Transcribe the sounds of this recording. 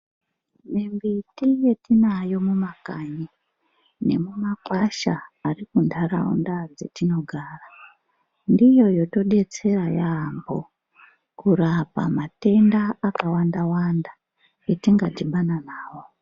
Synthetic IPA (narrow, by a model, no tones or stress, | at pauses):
membitije̞tinajo̞mumakaɲi | ne̞̰mumakwaʃaːrikundara̰ṵndad͡ze̞̰tino̞ɡʱaːra | ndijo̞jo̞to̞ɗe̞t͡se̞rajambo | kurapa̰mate̞ndaakawandawanda | etiŋɡatiɓananaːwo̞